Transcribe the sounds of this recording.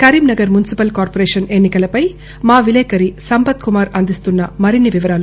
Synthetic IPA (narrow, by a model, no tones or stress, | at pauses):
kɐɾiːmnɐɡɐɾmunisipɐlkaːɾpoɾeːʂɐne̞nːikɐlɐpɐj | maːʋileːkɐɾisɐmpɐt̪kumaːɾɐnd̪ist̪unːɐmɐɾinːiʋiʋɐɾaːlu